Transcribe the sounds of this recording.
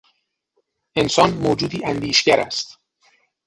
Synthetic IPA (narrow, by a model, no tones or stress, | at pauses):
ʔe̞nsɒːnmoːd͡ʒuːd̪iːʔænd̪iːʃɟæɾʔæ̰st̪